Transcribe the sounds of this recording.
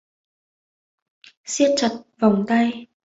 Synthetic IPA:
si˧ət̚t͡ɕə˨˩t̚va˨˩wŋ͡mt̪a˧j

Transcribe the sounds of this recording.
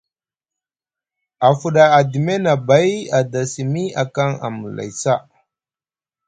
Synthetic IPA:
a˨fu˨ɗa˨a˨di˨me˦na˨ba˨˦ja˨da˨si˨mi˦a˨ka˦ŋa̰˨mə˨la̰˨jsa˦

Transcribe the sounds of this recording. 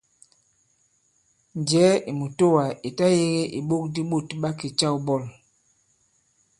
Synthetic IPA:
n˨d͡ʒɛː˨˦i˨mu˨to˦wa˨i˨ta˦je˦ɣe˦ʔi˨ɓo˦k̚di˦ɓo˦˨tɓa˦ki˨t͡ʃa˦˨u˨bɔ˦˨l

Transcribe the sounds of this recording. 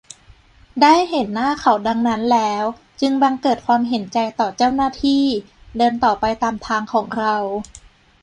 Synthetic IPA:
daː˥˩jhe˨˩˦nːaː˥˩kʰa˨˩wda˧ŋna˦˥nlɛː˦˥w | t͡ɕɯ˧ŋba˧ŋkɤː˨˩t̪̚kʰwaː˧mɦe˩˦nt͡ɕa˧jt̪ɔː˨˩t͡ɕa˥˩wnaː˥˩t̪ʰiː˥˩ | dɤː˧nt̪ɔː˨˩pa˧jt̪aː˧mt̪ʰaː˧ŋkʰɔː˩˦ŋɾa˧w

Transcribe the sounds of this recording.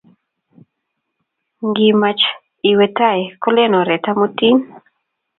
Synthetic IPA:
ŋɡima˨t͡ʃ | iwɛ˨tajkɔ˦lɛnɔ˨ɾɛ˨ta˦mu˦ti˦n

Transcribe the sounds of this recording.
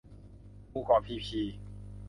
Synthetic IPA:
uː˧˨kɔː˨˩pʰiː˧˩pʰiː˧

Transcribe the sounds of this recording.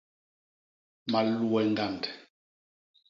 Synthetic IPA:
ma˨lu˦ɛ˨ŋ˦ɡa˦˨nd

